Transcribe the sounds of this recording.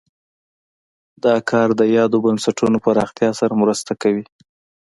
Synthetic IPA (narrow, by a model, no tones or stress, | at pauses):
d̪ɑkʰɑɾd̪əjɑd̪obansaʈunopaɾɑxt̪jɑsaɾamɾəst̪akawi